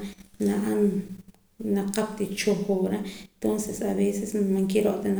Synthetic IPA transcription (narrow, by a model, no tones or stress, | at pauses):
naʔan | naqap̚t̪it͡ʃoxoɾaent̪onsesaβesesmaŋkeɾoʔt̪ana